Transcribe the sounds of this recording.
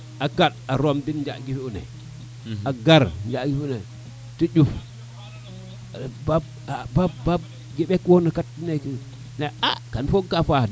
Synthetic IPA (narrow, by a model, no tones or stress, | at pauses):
akat̚aɾomdind͡ʒa̰ʔɡifiunḛ | aɡaɾnd͡ʒaɡifune | tid͡ʒuf | bab | ababbab | ɡiɓekwonakatːineki | nea̰kanfoɡkafad